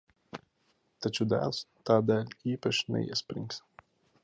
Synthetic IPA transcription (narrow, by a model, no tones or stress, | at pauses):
t̪ɐt͡ʃʲud̪æ̰ːlˠst̪ɑːd̪ʲæːlʲiːpɐʃʲnʲɛ̰jɛ̰sʲpʲɾʲɪ̰ŋks